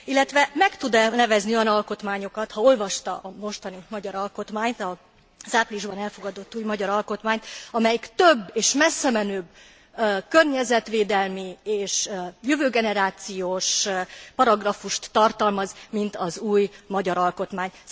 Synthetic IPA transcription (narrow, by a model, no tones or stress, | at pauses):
ilːɛt̪ʋɛmɛkt̪ud̪nɛvɛzniɒnɒlko̞t̪maːɲo̞kɒt̪hɒo̞lvɒʃt̪ɒ̰ʔɒmo̞ʃt̪ɒnimɒɟɒɾɒlko̞t̪maːɲt̪ɒ | z̥aːpliʒbɒnɛlfo̞ɡɒd̪o̞t̪ːuːjmɒɟɒɾɒlko̞t̪maːɲt̪ɒmɛjikt̪øbːeːʃmɛsːɛmɛnøːb | kørɲɛzɛt̪ʋeːd̪ɛlmieːʃjøvøːɡɛnɛɾaːt̪sijoːʃpɒɾɒɡrɒfuʃt̪ːɒrt̪ɒlmɒzmint̪ɒzuːjmɒɟɒɾɒlko̞t̪maːɲ